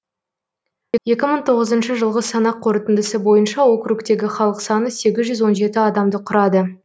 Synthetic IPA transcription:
jeje̞kʲɪməɴt̪ʰo̞ʁəzənʃəʒəlˠʁəsɑnɑqʰːoɾət̪ɪnd̪ɪsəbo̞jənʃɑwo̞kɾukt̪e̞ɡʲɪχɑlˠəqsɑnəse̞ɡʲɪzʒʏzwo̞nʒe̞t̪ɪɑd̪ɑmd̪əqʰʊɾɑd̪ə

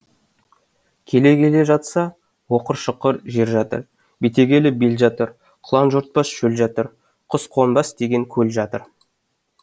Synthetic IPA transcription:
kʲʰe̞le̞kʲe̞le̞ʒɑt̪sɑ | wo̞qəɾʃəqːəɾʒe̞ɾʒɑt̪ə̰ɾ | bet̪e̞ɡʲe̞lɪbelʒɑt̪əɾ | qʰlˠɑnʒuɾt̪̚pɑsʃɵlʒɑt̪əɾ | qʰʊsqʰonbɑsd̪e̞ɡʲe̞ŋkʲʰɵlʒɑt̪əɾ

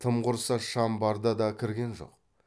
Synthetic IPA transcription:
t̪ʰəmqʊɾsɑʃɑmbɑɾd̪ɑd̪ɑkʲʰɪɾɡʲe̞nʒo̞̰q̚

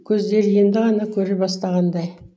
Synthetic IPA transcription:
kʲʰɵzd̪e̞ɾje̞nd̪ɪʁɑnɑkʲʰɵɾebɑst̪ɑʁɑnd̪ɑj

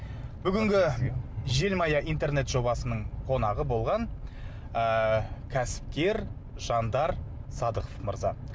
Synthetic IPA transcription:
b̥ʏɡʲɪŋɡʲɪʒe̞lmɑjɑʔijnt̪e̞rne̞t̪ʒo̞bɑsənəɴqʰo̞nɑʁəbo̞lˠʁɑn | əkʲʰæsɪ̥p̚kʲe̞ɾ | ʒ̥ɑnd̪ɑɾsɑd̪əqəfməɾzɑ

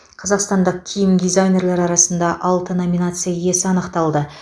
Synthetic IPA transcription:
qʰɑzɑqst̪ɑnd̪əq̚kʲʰijɪmd̪ijzajnʲe̞ɾleɾɑɾɑsənd̪ɑʔɑlˠt̪əno̞mʲinat̪sɨjaje̞sɪɑnəqt̪ɑlˠd̪ə

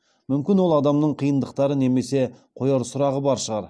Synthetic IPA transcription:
mʏmkʲɪnwo̞lˠɑd̪ɑmnəɴqʰijənd̪əq̚t̪ɑɾəne̞me̞se̞qʰo̞jɑɾsʊɾɑʁəbɑɾʃəʁɑɾ

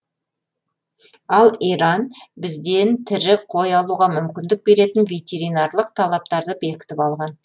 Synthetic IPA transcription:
ɑlˠijɾɑnbɪzd̪e̞nt̪ʰɪɾɪqʰo̞jɑlˠuʁɑmʏmkʲɪnd̪ɪk̚be̞ɾe̞t̪ɪnvʲe̞t̪ʲe̞ɾijnɑrlˠəq̚t̪ʰɑlˠɑp̚t̪ɑɾd̪əbe̞kʲɪ̥t̪ɪpɑlˠʁɑn

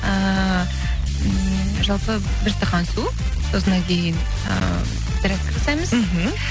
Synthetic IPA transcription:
ə | ʒɑlˠpə | bɪɾt̪ʰɑqɑnsu | so̞sənɑŋkʲʰe̞jɪn | ə̰ | d̪ɪɾækk̪ʲɑsɑjməz̩ɦm̩

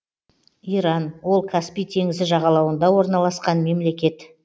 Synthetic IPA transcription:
ijɾɑnwo̞lˠkʰaspijt̪ʰe̞ŋɪzɪʒɑʁɑlˠɑwənd̪ɑwo̞ɾnɑlˠɑsqɑnme̞mle̞kʲe̞t̪

